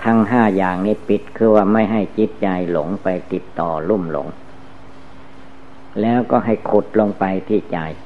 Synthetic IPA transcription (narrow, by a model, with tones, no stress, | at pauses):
t̪ʰa˧ŋɦaː˥˩jaː˨˩ŋniː˦˥˩pi˨˩t̪̚kʰɯː˧waː˧˥˩ma˥˩jɦa˥˩jt͡ɕi˦˥t̪̚t͡ɕa˧jlo˩˦ŋpa˧jt̪i˨˩t̚t̪ɔː˨˩lu˥˩mlo̰˩˦ŋ | lɛː˦˥wkɔː˥˩ɦa˥˩jkʰo˨˩t̪̚lo˧ŋpa˧jt̪ʰiː˥˩t͡ɕa˧j